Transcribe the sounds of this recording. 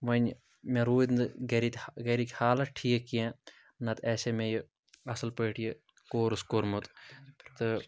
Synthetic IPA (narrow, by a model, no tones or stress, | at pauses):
ʋɐnʲ | mẽɾuːd̪nd̪ɨɡɐɾit̪ʲɡɐɾikʲhaːlɐʈʰiːekːijẽ | nɐt̪ɛːsemẽji | ɐsɨlpəːʈʰije | koːɾɨskoɾmut̪t̪ɨ